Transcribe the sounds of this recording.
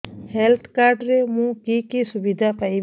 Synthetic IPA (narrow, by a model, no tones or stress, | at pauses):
helt̪ʰkaɾɖɾemũkikisubid̪ʱapaj